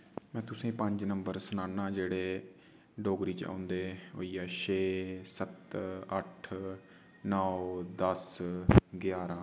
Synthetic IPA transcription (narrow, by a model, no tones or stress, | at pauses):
mɛ̃ːt̪ʊsẽːpəɲd͡ʒnəmbəɾsənaːnːãːd͡ʒeːɽeː | ɖoːɡɾiːt͡ʃã̰ːnd̪eːɦo̰ːiːɛːʃeːsət̪əʈʰ | nɔːd̪əs | ɡjaːɾãː